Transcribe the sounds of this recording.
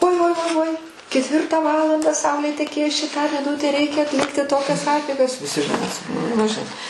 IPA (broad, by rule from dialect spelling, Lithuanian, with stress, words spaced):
uɔɪ uɔɪ uɔɪ uɔɪ kʲɛtʲˈʋʲɪrtɑː ˈʋɑːlˠɐndɑː ˈsɐʊlʲeː tʲɛˈkʲeːs ˈt͡ʃʲɛ tɑː mʲɪˈnʊtʲæː ˈrʲɛɪkʲɛ ɐtʲˈlʲɪktʲɪ ˈtoːkʲɛs ˈɑːpʲɛɪɡɐs ʋʲɪˈsʲɪ ʒʲɪˈnɐɪ ˈmʲɛs nʊ ʒʲɪˈnɐɪ